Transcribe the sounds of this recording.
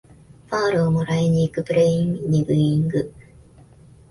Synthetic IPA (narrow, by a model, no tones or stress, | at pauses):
paɾɯːmoɾaiɲiːkɯpɯɾeiŋɲiɡɯiŋɡɯ